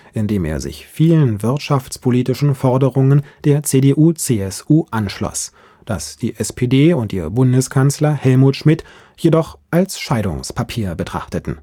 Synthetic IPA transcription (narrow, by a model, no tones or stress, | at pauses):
ʔɪndeːmḛːɐzɪ̰çfiːlənvɪʁtʃaft͡spʰoliːtɪʃn̩fɔɐdəʁʊŋənd̥eːɐt͡sedeʔuːt͡seɛsʔuːʔanʃlɔ̰s | d̥a̰sd̥iːʔɛspʰedeːʊntʔiːbʊndəskʰanslɐhɛlmuːtʃmɪt | jedɔχʔalsʃaɪdʊ̰ŋspʰapʰiːɐbətʁ̥a̰χtətn̩